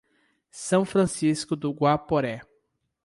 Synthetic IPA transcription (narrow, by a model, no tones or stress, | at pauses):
sɐ̃w̃fɾɐ̃siskʊd̪ʊɡwapoɾɛ